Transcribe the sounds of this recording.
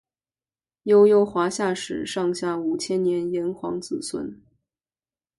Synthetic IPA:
jo˥˧ʊjo˥˧ʊxwa˧˥ɕja˥˩ʂɻ̩˨˩ʂɑ˥˧ŋɕja˥˩u˨˩t͡ɕʰjɛ˥nnjɛ˧˥njɛ˧˥nxwɑ̰˧˥ŋt͡sɹ̩˨˩swə̰˧˥n

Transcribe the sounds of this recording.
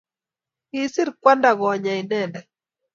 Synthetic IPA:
i˨sɪ˦ɾkwa˦nda˨ɣɔ˨ɲa˨i˨nɛ˦˨ndɛ˨

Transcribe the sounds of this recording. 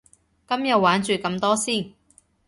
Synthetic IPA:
kɐ˥mjɐ˨˧waː˨˥nt͡ʃyː˨kɐ˧mt̪ɔː˥siː˥˩n

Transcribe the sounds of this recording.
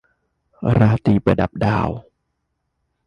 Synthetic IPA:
ɾaː˧t̪iː˧˩pa˧˩da̰˨˩p̚da̰ː˧˩w

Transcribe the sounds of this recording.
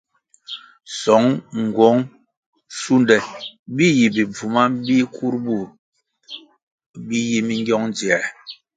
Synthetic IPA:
sɔ˨˦ŋŋ˨ɡwɔ˨˦ŋ | su˦ndɛ˨bi˦ji˨bi˨b͡vu˨ma˦bi˦kʰu˦ɾbu˦˨ | bi˦ji˦mi˦ŋɡjɔ˦ŋnd͡zjɛ˨

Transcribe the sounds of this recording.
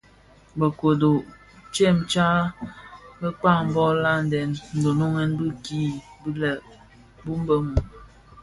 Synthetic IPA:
bə˨ko˨do˨ | t͡ʃɛ˦˨mt͡ʃa˦ | bə˦k͡pa˦˨ŋ˨bɔ˦la˦˨n˨dɛ˨nn̩˨do˨no˦ŋɛ˦nbi˦ki˦ | bi˦lə˨ | bu˦m˦bə˦mu˨

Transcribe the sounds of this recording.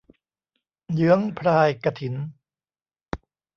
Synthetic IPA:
jɯ˦˥əŋpʰɾaː˧jka˧t̪ʰi˩˦n

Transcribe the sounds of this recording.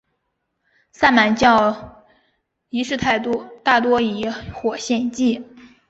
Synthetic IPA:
sa˥˩nma˨˧˩nt͡ɕjɑ˥˩ʊ | i˧˥ʂɻ̩˥˧t̪ʰa˥˧ɪt̪u˥˩t̪a˥˩t̪wɔ˥i˧˥xwɔ˨˩ɕjɛ˥˧nt͡ɕi˥˩

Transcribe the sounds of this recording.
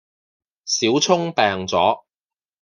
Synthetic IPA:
siː˨˥wt͡sʰʊ˥ŋpɛː˨ŋt͡sɔ̰ː˨˥

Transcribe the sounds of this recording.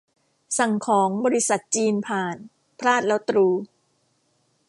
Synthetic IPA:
sa˨˩ŋkʰɔː˩˦ŋbɔː˧ɾi˦˥sa˨˩t̪̚t͡ɕiː˧npʰaː˨˩n | pʰɾaː˥˩t̪̚lɛ˦˥wt̪ɾuː˧

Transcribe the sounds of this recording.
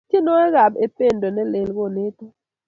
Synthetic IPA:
t͡ʃje˦nɔ˦ɛ˦ɣa˨be˨pe˦˨ndo˨nɛ˦le˨lɡo˦˨nɪ˦tɔ˦

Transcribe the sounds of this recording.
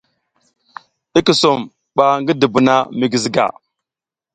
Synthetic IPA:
i˦ki˨so˨m | ɓa˨ŋɡi˦də˨bu˨na˦mi˨ɡi˨zi˨ɡa̰˨

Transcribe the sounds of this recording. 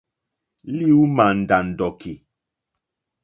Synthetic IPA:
li˦u˦ma˨n̩˨da˨n̩˨dɔ˨kʰi˨

